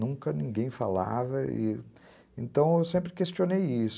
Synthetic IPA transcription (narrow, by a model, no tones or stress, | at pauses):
ũŋkɐnĩŋɡẽj̃fa̰la̰vɐɪ̰ | ẽnt̪ɐ̃w̃ewsẽmpɾɪkest͡ʃionejis